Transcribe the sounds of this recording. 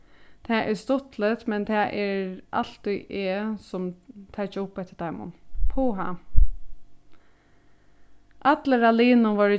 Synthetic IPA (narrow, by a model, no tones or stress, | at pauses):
t̪ʰɛːʔɛst̪ʊt̪lət̪mɛnt̪ʰɛʔɛɹa̰l̥t̪iʔɛsʊmt̪ʰat͡ʃəʊpːɛt̪ə̥t̪ajmʊ̰npʰuːɦa̰ | ʔat̪ləɾaliːnʊnʋɔɹɪ